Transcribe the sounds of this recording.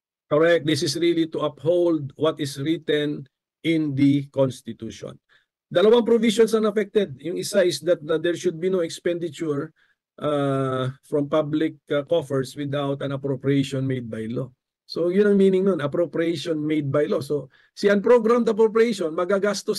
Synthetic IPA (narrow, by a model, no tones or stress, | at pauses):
kɔɹɛk̚t̪̚d̪ɪsɪsɹilit̪uʔɐphowld̪̚wɐt̪ɪsɹit̪ɛ̃n | ʔɪ̃nd̪ikonst̪ɪt̪uːʃo̰n | d̪ɐlɐwaŋpɾoviʃɔnsɐnɐfɛk̚t̪ɛd̪̚jʊŋɪsaʔɪsd̪ɐt̪̚d̪ɛɹʃʊd̪̚binoɛkspɛ̃nd̪ɪt͡ʃuɹ | ʔa | fɹɔ̃mpablɪk̚kofɛɹswɪd̪awt̪ɐ̃nɐpɾopɹiejʃɔnmejd̪̚bɐjlo | sojʊnɐŋminɪŋnonɐpɾopɾiejʃɔnmejd̪̚bajloso | siɐ̃npɾoɡɾamt̪ɐpɾopɹiejʃɔnmɐɡaɡast̪o